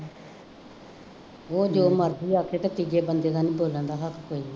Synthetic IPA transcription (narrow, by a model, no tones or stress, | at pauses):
oːd͡ʒoːməɾd̪iːaːkʰeːt̪ət̪iːd͡ʒeːbənd̪eːɡ̪aːnĩːboːlə̃nd̪aːɦəkkoːiː